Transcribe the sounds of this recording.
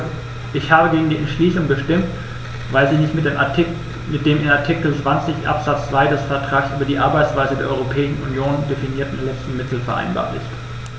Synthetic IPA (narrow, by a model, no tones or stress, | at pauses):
ʔɪçhaːbəɡeːɡŋ̩diːʔɛntʃliːsʊŋbəʃtɪmt | vaɪlziːnɪçtme | mɪt̚d̥eːmɪnaɐtʰikl̩t͡sv̥ant͡sɪçʔa̰pz̥at͡st͡sv̥aɪdɛsfɛɐtʁ̥aːksʔyːbɐdiːʔaɐbaɪt͡sv̥aɪzədeːɐʔɔ̰ʁopʰɛːɪʃn̩ʔṵnjoːnd̥efiniːɐtn̩lɛt͡stn̩mɪtl̩fɛɐʔa̰ɪnba̰ːɐlɪ̰st